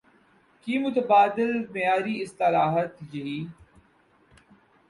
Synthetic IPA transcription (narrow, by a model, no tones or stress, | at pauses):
kiːmʊt̪əbaːd̪ɪlmejaːɾiɪst̪ɪlaːɦət̪jɐiː